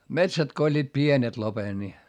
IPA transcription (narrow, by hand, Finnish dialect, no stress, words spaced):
metsæt ko olʲːiːt pienet lopen ni